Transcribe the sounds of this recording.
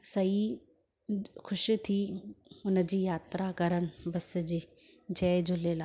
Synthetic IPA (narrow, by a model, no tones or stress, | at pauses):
sɐi | xʰʊʃt̪ʰiʊn̆d͡ʑiːjaːt̪ɾakɐɾənɪ̆bɐsd͡ʑiː | d͡ʑɛːd͡ʑʊleːlaː